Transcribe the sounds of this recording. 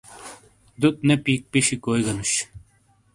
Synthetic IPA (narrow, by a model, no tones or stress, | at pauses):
d̪ut̪̚nepiːk̚piɕikoːjɡɐnuɕ